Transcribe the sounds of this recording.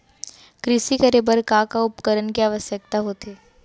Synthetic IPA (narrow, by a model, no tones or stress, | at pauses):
kɾɪsikəɾebəɾkakaʊpkəɾənkeaːʋəsjək̚t̪aɦoːt̪eː